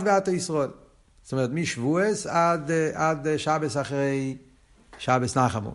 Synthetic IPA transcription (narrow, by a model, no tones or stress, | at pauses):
viatəisʁɔɪl | sɔmɛtmɪʃvuəsadadɪʃabəsaχɾeɪ | ʃabəsnaχamṵ